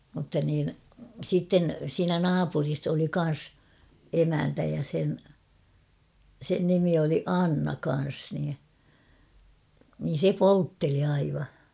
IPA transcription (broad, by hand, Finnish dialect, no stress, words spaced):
mutːɑ niːn sitːen siːnæ nɑːpuris oli kɑn̞s emæntæ jɑ sen sen nimi oli ɑnːɑ kɑn̞s niː niːn̞ se poltːeli ɑiʋɑ